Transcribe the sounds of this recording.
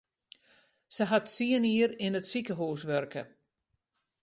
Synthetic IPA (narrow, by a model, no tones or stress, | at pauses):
səɦatsiəniəɾɪnətsikəɦuːsʋørkə̰